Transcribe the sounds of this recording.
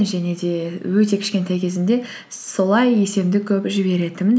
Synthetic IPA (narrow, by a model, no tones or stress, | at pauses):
nʒæne̞d̪e̞wɵt̪e̞kʲʰɪ̥ʃkʲe̞nt̪ʰajkʲʰe̞zɪnd̪e̞ | so̞lˠɑje̞se̞md̪ɪkʲʰɵpʒɪbe̞ɾe̞d̪ɪmɪn